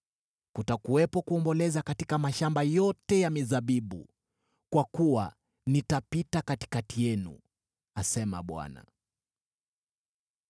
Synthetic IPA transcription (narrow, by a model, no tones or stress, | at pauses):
kutakuɛpɔkuɔmbɔlɛzakatikamaʃambajɔtɛjamizaɓiɓṵ | kwakuwa | nitapitakati̥katijɛnṵ | asɛma̰ɓwa̰na̰